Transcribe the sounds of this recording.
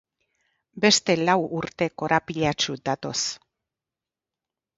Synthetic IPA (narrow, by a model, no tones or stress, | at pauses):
be̞st̪e̞lawuɾt̪e̞ko̞ɾapiʎat͡ʃud̪at̪o̞s